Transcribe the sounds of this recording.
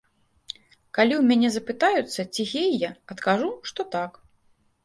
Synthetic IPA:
kalʲiwmʲanʲɛzɐpɨt̪ajut̪sːɐt͡sʲiɣʲejjaɐt̪kaʐuʂt̪ɔt̪ak

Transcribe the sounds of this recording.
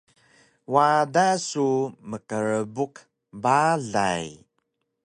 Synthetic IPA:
wadasuməkəɾəbuq | baɮa̰j

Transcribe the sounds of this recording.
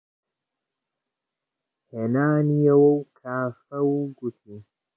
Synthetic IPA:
henaːnijɐwɐwkʰaːfɐwuɡut̪ʰiː

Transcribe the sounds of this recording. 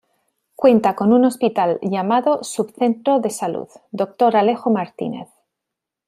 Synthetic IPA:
kwe̞nt̪ako̞nuno̞spit̪alʝamaðo̞suβθe̞nt̪ɾo̞ðe̞salṵðd̪o̞k̚t̪o̞ɾale̞xomaɾt̪ḭne̞̰θ

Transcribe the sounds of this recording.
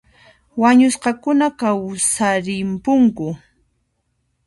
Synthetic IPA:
waɲʊsqɑkʊnakawsaɾɪmpʊŋkʊ

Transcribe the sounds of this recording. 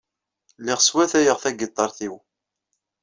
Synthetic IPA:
lɪʁswæθæjəʁθæɡit̪ˤːɑɾˤθiw

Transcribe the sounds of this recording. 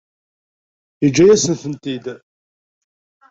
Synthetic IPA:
id͡ʒːæjæsənθənt̪id̪

